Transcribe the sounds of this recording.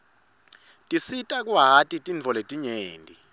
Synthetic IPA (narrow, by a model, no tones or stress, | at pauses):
tʼisitʼak̬ʼuɦatʼitʼint͡fɔletʼiɲeːntʼi